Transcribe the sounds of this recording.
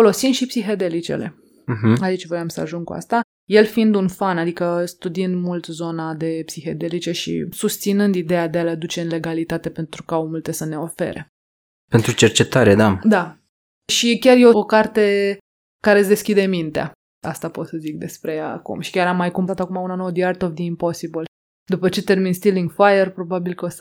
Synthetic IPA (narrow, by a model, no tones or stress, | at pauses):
olo̞sinʃipsiɦed̪e̞lit͡ʃe̞̰le̞̰ | ɦ̩ait͡ʃvooamsəa̰ʒuŋɡkṵa̰st̪a | je̞lfiind̪unfanad̪ikəst̪ud̪iɨnd̪mult̪zo̞nad̪e̞psixed̪e̞lit͡ʃe̞ʃḭsust̪sinɨnd̪id̪e̞jad̪ealead̪ut͡ʃe̞ɨnle̞ɡalit̪at̪e̞pe̞nt̪ɾukaaomult̪e̞səne̞o̞fe̞̰ɾe̞̰ | pe̞nt̪ɾut͡ʃe̞rt͡ʃe̞t̪aɾed̪ad̪a | ʃikʲarjeookart̪e̞ | kaɾesd̪e̞skʲid̪e̞mint̪ea̰ | a̰st̪apo̞t̪səzik̚d̪e̞spɾe̞ja̰ːkṵmʃi̥kʲaɾamːajkumpat̪akumaunanowd̪iart̪ovd̪iimpo̞sibəl | d̪upət͡ʃe̞t̪e̞rminst̪iliŋɡfajerpɾo̞babilkəos